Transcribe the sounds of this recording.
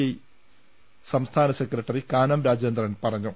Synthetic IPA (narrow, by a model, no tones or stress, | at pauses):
ei | sɐmst̪ʰaːnɐsekːɾɐʈːɐrikaːnɐmɾaːd͡ʑjend̪rɐnpɐrɐɲːu